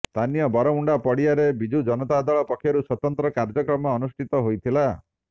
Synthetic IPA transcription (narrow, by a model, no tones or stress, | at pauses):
st̪ʰanijɔbɔɾɔuɳɖapɔɽiaɾebid͡ʒud͡ʒɔnɔt̪aːd̪aɭɔpɔkʰjɔɾuswɔt̪ɔnt̪ɾɔkaɾd͡ʒɔkɾɔmɔːnusʈʰit̪ɔɦojt̪ʰila